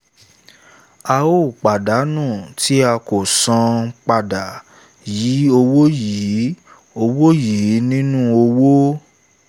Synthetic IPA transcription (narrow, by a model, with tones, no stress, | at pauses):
a˧o˦˨k͡pa˨da˨˦nũː˦˨tʰi˨˦a˧ko˨sã˧k͡pa˧da˨ | ji˨˦o˧wo˦ji˨˦ | o˧wo˦ji˨˦nĩ˦nũ˦o˧wo˦